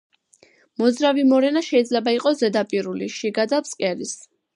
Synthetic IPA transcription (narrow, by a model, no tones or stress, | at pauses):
mɔzɾavimɔɾɛnaʃɛid̪zlɛbaiqʼɔszɛd̪apʼiɾuliʃiɡad̪abskʼɛɾis